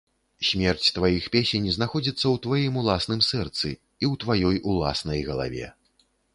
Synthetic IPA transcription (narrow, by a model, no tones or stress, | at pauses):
sʲmʲɛrt͡sʲt̪vajixpʲesʲenʲiznaxɔd͡zʲit̪sːɐwt̪vajimulˠasn̪ɨmsɛrt̪sɨ̰ | iwt̪vajɔjulˠa̰snɐjɣɐlˠa̰vʲɛ̰